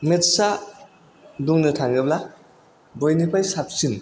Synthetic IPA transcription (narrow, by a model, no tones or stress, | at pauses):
metsa | duŋnɯtʰaŋɡɯbla | bɔjnipʰajsap̚sin